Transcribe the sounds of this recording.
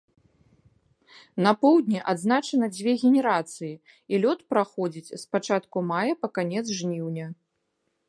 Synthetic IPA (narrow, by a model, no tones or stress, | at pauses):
nɐpɔwd̪ʲnʲiʔad̪znat͡ʂɐnɐd͡zʲvʲɛɣʲɛnʲɛɾat̪sɨji | ilʲɔt̪pɾaxɔd͡zʲit͡sʲspat͡ʂat̪kumajɐpɐkanʲɛt̪zʐnʲiwnʲɐ